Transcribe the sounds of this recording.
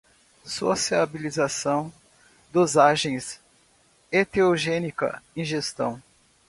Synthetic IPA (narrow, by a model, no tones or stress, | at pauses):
sosiabilizasɐ̃w̃ | d̪ʊzaʒẽj̃s | et̪eoʒẽnikɐ̰ĩʒest̪ɐ̰̃w̃